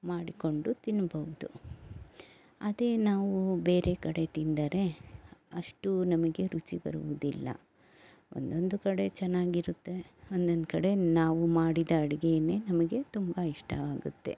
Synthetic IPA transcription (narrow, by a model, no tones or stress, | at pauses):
maːɽiko̞ɳɖut̪inːɐbɐʋud̪u | ɐd̪e̞ːnaːʋube̞ːɾe̞kɐɽe̞t̪ind̪ɐɾe̞ɐʂʈunɐmɐɡe̞ɾut͡ʃibɐ̰ɾuʋud̪ilːɐ̰ | o̞̰nd̪o̞nd̪ukɐɽe̞t͡ʃɛnːaːɡiɾut̪ːe̞ond̪ond̪kɐɽe̞naːʋumaːɽid̪ɐːɽiɡejɐne̞ːnɐmɐɡe̞t̪umbɐiʂʈʰɐ̰ʋaːɡṵt̪ːe̞̰